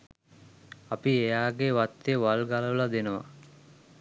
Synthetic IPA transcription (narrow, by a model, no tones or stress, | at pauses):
apiejaːɡeʋat̪ːeʋalɡaləʋəlad̪enəʋa̰